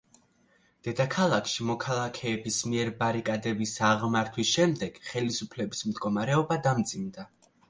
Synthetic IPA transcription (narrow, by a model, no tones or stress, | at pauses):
d̪̥ɛd̪akʰalˠakʰʃimɔkʰalˠakʰɛːbismiɛɾbaɾikʼad̪ɛbisaʁmaɾt̪ʰwisʃɛmd̪ɛɡ̥χɛlisupʰlɛbismd̪ɡɔmaɾɛɔbad̪amd̪zimd̪a